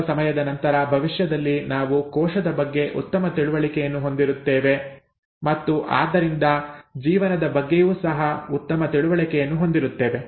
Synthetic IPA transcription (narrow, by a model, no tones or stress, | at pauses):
sɐmɐjɐd̪ɐnɐnt̪ɐɾɐbʱɐʋiʂjɐd̪ɐlːinaːʋukɔːʂɐd̪ɐbɐɡːe̞ʔut̪ːɐmɐt̪iɭuʋɐɭikɛjɐnːuɦo̞nd̪iɾut̪ːeːʋe̞ | mɐt̪ːuʔa̰ːd̪ːɐɾind̪ɐd͡ʒiːʋɐnɐd̪ɐbɐɡːejuːsɐɦɐut̪ːɐmɐt̪iɭuʋɐɭikɛjɐnːuɦo̞nd̪iɾut̪ːeːʋe̞